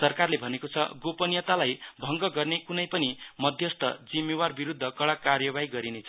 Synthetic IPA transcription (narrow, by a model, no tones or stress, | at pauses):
sʌrkarlebʱʌnekot͡sʰʌ̰ɡopʌnjʌt̪alajbʱʌŋɡʌɡʌrnekunʌjpʌnimʌd̪ʱjʌst̪ʰʌ̰d͡zimːewarbiɾud̪ʱːʌkʌɽakarjʌbaiɡʌɾinet͡sʰʌ